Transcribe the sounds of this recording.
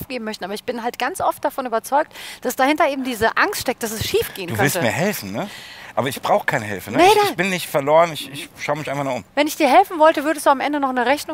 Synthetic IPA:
fɡ̥eːbm̩mœçtn̩aːbɐɪçb̥ɪnɦaltɡ̥ant͡sʔɔft̚d̥afɔnyːbɐt͡sɔʏk̚td̥asd̥ahɪntɐʔeːbm̩diːzəʔaŋstʃtɛk̚t̚d̥asɛsʃiːfɡ̥eːəndukːœvɪlstəmiːɐɦɛlfn̩nəʔaːbɐɪçb̥ʁaʊxə̥kʰaɪnəɦɪ̰lfənənab̥ɪnːɪçtfɛɐloːʁənɪçɪçʃaʊəmɪçʔaɪnfaχnʊχʊ̰mvɛnɪçd̥iːɐɦɛlfn̩vɔltəvʏɐdəstd̥uːamʔɛ̰ndənɔχnəʁɛçnʊ

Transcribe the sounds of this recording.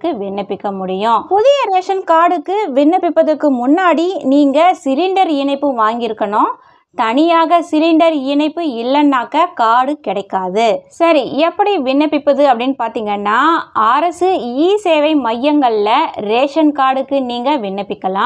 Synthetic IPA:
kːɯʋɪnːɐpːɪkːɐmʊɽɪjʊ̃pʊðɪjɐɾeːʂɐnkaːɽɯkːɯʋɪnːɐpːɪpːɐðɐkːɯmʊnːaːɽiniːŋɡɐsɪlɪɳɖɐɾɪɳɐɪpːɯʋaːŋɡɪɾɯkːɐɳõː | t̪ɐɳɪjaːɣɐsɪlɪɳɖɐɾɪɳɐɪpːɯɪlːɐnːaːkːɐkaːɽɯkɪɽɐɪkːaːðɯsɐɾiɛpːɐɽiʋɪnːɐpːɪpːɐðɯɐpːɐɽɪnːɯpaːɾt̪iːŋɡɐnːaːaːɾɐsɯiːseːʋɐɪmɐjːɐŋɡɐɭlɐɾeːʂɐnkaːɽɯkːɯniːŋɡɐʋɪɳːɐpːɪkːɐlãː

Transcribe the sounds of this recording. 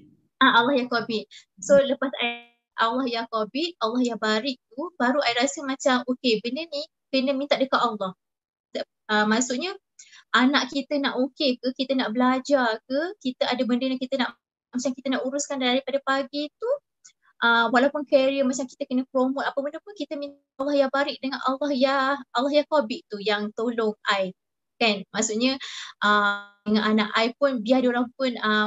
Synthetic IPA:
ʔaalːɑhjakobɪt̪̚soləpasa | ʔalːɑhjakobɪt̪̚alːɑhjaŋbaɾɪʔ̚t̪ubaɾuʔaiʔɾasəmat͡ʃamokebəndəni | kənəmint̪at̪ʔ̚dəkat̪alːɑh | əmasuʔɲə | ʔanaʔkit̪ənaʔokekəkit̪ənaʔbəlad͡ʒakəkit̪əadəbəndəjãkit̪ənaʔ | mat͡ʃaŋkit̪ənaʔuɾuskandandaɾipadapaɡit̪u | ʔəwalawpʊnkeɾiəmat͡ʃaŋkit̪əkənəpɾomot̪apəbəndəpʊnkit̪əmĩn | alːɑhjaŋbaɾɪʔ̚dəŋanʔalːɔhjaalːɔhjahkobɪʔt̪ujaŋt̪olʊŋaj | kanmasuʔɲəʔəəŋananaʔajpʊnbiadioɾaŋpʊnə

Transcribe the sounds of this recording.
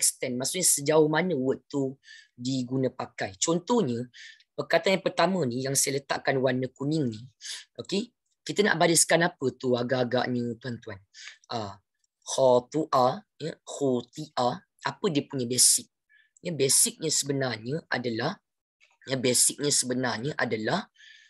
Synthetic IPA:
ɛkst̪ɛnmaʔksuʔ̚ɲəsəd͡ʒaʊhmanə̃wət̪udiɡunãpakajt͡ʃɔnt̪ɔhɲə̃ | pərkat̪anjaŋpərt̪amə̃nijaŋsajələt̪a̰ʔkanwanəkuniŋniʔoke | kit̪əna̰ʔbadəskanapət̪uaɡaɡa̰ʔɲət̪uant̪uanʔa | hɔt̪uʔa | jəhut̪iʔa | ʔapədiəpuɲə̃besɪk̚ | jəbesɪk̚ɲə̃səbənarɲə̃ʔa̰dalah | jəbɛsɪk̚ɲə̃səbənarɲəʔadalah

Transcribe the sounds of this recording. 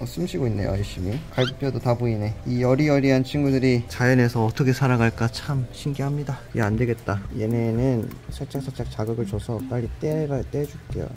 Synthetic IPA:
sʰɯmɕʰiɡoinːḛjwʌɭɕ͈imikaɭɡup͈jodotaboine̞ijʌɾiʌɾiɦant͡ɕʰinɡudɯɾit͡ɕajʌne̞sʰʌːtʰʌkʰe̞sʰaɾaɡaɭk͈at͡ɕʰamɕʰinɡiɦamɲidaeande̞ɡe̞t̚t͈ajene̞nɯnsʰaɭt͡ɕ͈aks͈ʰat͡ɕ͈ak̚t͡ɕaɡɯɡɯɭt͡ɕʌsʰʌp͈aʎːit͈eɡat͈ed͡ʑuk͈ejo̰

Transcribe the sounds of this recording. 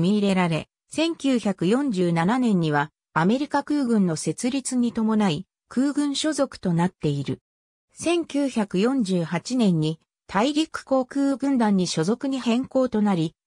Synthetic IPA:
mʲiːɾe̞ɾaɾe̞̰ | sẽ̞ŋkʲɨːçakɯ̟jõ̞ɲ̟d͡ʑɨːnananẽ̞ɲ̟ːiβ̞a | ame̞ɾʲikakɯ̟ːɡɯ̟̃nːo̞se̞t͡sɨɾʲit͡sɨɲ̟it̪o̞mo̞nai | kɯːɡɯ̟̃ɰ̃ɕo̞zo̞kɯ̟̥t̪o̞nat̪ːe̞iɾɯ̟̰ | sẽ̞ŋkʲɨːçakɯ̟jõ̞ɲ̟d͡ʑɨːhat͡ɕinẽ̞ɲ̟ːi | t̪ʰaiɾʲikɯ̟̥ko̞ːkɯ̟ːɡɯ̟̃nd̪ãɲ̟ːiɕo̞zo̞kɯ̟ɲ̟ihẽ̞ŋko̞ːt̪o̞naɾʲi

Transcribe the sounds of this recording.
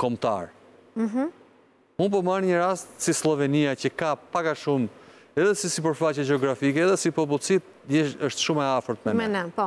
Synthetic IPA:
kɔmt̪a̰ɾ̩ | ɦ̩ | unp̬ɔmanɲəɾast̪sislˠɔvɛniacəkapakaʃum | ɛðɛsisip̬əɾfat͡ɕɛd͡ʒɛɔɡɾafikɛːðɛsipɔp̬ulˠsit̪ | jɛəʃt̪ʃumɛafəɾt̪mɛnmɛnɛpɔ

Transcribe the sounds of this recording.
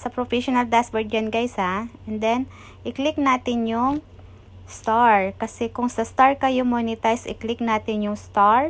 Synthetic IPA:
sɐpɾofɛʃonɐld̪asbɛɹd̪̚d͡ʒɐnɡajsaʔɛnd̪ɛn | ʔɪklɪk̚naːt̪ɪnjʊŋ | st̪aɹkɐsɛkʊŋsɐst̪aɹkɐjomonɪt̪ajsɪ̰klɪk̚naːt̪ɪnjʊŋst̪aɹ

